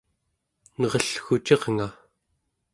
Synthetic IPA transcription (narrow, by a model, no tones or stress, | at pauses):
nʌʁʌɬxut͡ʃeʁŋa